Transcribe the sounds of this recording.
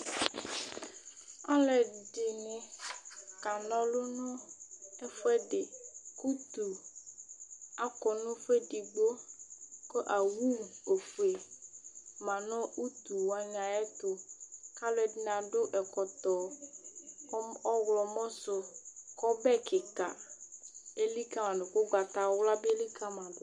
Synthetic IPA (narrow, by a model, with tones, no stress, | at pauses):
a˦lɛ˨ɖe˨nũ˨ | ka˨nɔ̃˦lo˦nɔ̃˦ɛ˦fɛ˦ɖe˨ku˦t̪u˨ | a˨kɔ˨nʊ̃˦fe˦ɖi˨ɡ͡bo˦ko˦ʔa˨wu˦˨o˨fu˨e˨ | mã˨nɔ̃˦u˦t̪u˨wa˨ɲã˨ɛ˦t̪ʊ˨ka˦lɛ˨dnã˨ɖʊ˦ʔɛ˨kɔ˨t̪ɔ˨˦ | ɔ˦ɣlɔ˨mɔ̃˦sʊ˨kɔ˦bɛ˦kɪ˨ka̰˨ | e˦li˦ka˦mã˨nʊ̃˨kʊ˦ɡ͡ba˨t̪a˨˦wla˦bli˦ka˦mã˨dʊ˨